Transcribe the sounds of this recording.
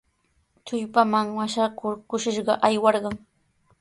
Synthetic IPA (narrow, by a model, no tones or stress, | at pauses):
t͡ʃʊʎpamaŋwaʃakʊɾkʊʃɪʃɢɑʔajwɑɾɢɑŋ